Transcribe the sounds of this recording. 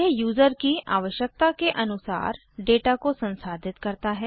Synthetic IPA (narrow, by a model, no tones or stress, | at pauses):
eɦjuːzəɾkiʔa̰ːʋəʃjək̚t̪akeʔənʊsa̰ːɾ | ɖeːʈaːkosə̃nsaːd̪ʱɪt̪kəɾt̪aːɦɛː